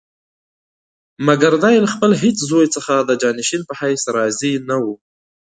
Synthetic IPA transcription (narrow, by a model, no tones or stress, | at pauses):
maɡaɾd̪ɑjlaxpəlɦet͡szojt͡səxad̪əd͡ʒɑːnɪʃinpəhajsaɾɑzinawu